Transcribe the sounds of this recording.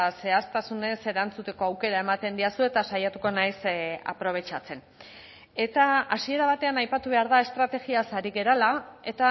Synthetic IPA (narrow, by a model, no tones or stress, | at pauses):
se̞ast̪asune̞se̞ɾant͡sut̪e̞ko̞awke̞ɾae̞mat̪e̞nd̪iasue̞t̪asajat̪uko̞najsa̰pɾo̞β̞e̞t͡ʃat͡se̞n | e̞t̪aasie̞ɾaβ̞at̪e̞anajpat̪uβe̞aɾðae̞st̪ɾat̪e̞ɣiasaɾiɣe̞ɾalae̞t̪a